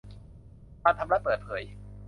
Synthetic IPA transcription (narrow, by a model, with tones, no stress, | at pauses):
maː˧nt̪ʰa˧mɾa˦˥pəː˨˩t̪̚pʰɤː˩˦j